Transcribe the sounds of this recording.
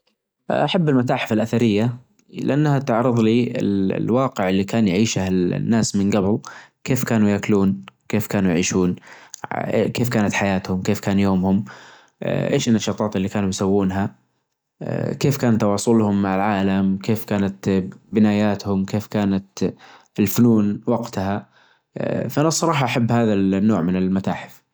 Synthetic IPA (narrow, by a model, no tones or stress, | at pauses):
ʔaħabːɪlmat̪aːħɪfalʔaθaɾɪjːa | lɪ̰ʔanːhat̪ɪʕɾɨðˤliɪ̰l̰lwɑːqɪʕɪlːikaːnjʕiːʃahnːaːsmɪnɡabɪlkeːfkaːnujakluːnkeːfkaːnujʕiːʃuːn | keːfkaːnat̪ħajaːt̪hʊmkeːfkaːnjoːmhʊm̰ | ʔḛːʃɪnːaʃɑːt̪ˤɑːt̪ɪlːikaːnujsawːuːnɦa | keːfkaːnt̪ːɑwɑːsˤʊlhʊmːaʕalʕaːlamkeːfkaːnat̪bɪnaːjaːt̪hʊmkeːfkaːnat̪ | ɪlfʊnuːnwaɡt̪ha | faʔanasˤːɑɾˤɑːħɑʔaħabːhaːðalnːoːʕmɪnɪlmat̪aːħɪ̥f